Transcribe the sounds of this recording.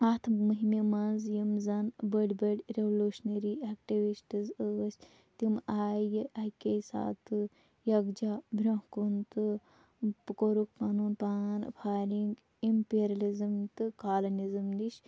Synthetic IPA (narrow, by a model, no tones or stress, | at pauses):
at̪ʰmɨɦimimɐnzjimzɐnbəɖʲbəɽʲɾeʋluːʃneɾiakʈiʋisʈɨzɨsʲ | t̪imaːjɨʔakesa̰ːt̪ɨ | jɐɡd͡ʒabʱɾɐɦkunt̪ɨ | pkoɾuk̚panunpaːnpʰaːɾiŋɡ | impeɾɐlizɨmt̪ɨkaːlɐnizɨmd̪iʃ